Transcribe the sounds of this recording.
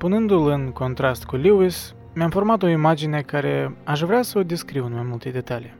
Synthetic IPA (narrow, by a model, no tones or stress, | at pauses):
punɨnd̪ulɨnko̞nt̪ɾast̪kulʲiwis | meamfo̞rmat̪o̞imad͡ʒine̞kaɾe̞aʃ̬vɾeasəod̪iskɾiwɨnmajmult̪e̞d̪e̞t̪alij